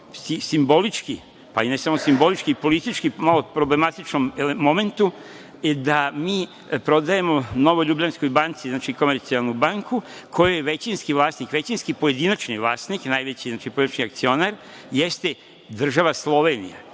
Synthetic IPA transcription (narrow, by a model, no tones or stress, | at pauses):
sisimbo̞lit͡ʃki | painesamo̞simbo̞lit͡ʃkipo̞lit̪it͡ʃkimalo̞pɾo̞ble̞mat̪it͡ʃnomeemo̞me̞nt̪u | d̪amiː | pɾo̞d̪ajemo̞no̞ʋoʎubʎansko̞jbant̪siznaːt͡ʃiko̞meɾt̪sialˠnubaŋkukʰo̞jujeʋet͡ɕinskiʋlˠaːsnikʋet͡ɕinskipo̞je̞d̪inat͡ʃniʋlˠaːsniknajʋet͡ɕiznaːt͡ʃipojinat͡ʃniak̚t̪sio̞naɾ | jest̪e | d̪r̩ʒaʋaslˠo̞ʋenḭja̰